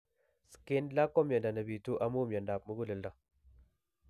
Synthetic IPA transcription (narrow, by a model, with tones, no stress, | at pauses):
ske˦nla˦ko˦mja˨da˨na˨bi˨tu˦ʔa˨mu˦mja˨nda˨pmu˦ɡu˦lə˨lda˨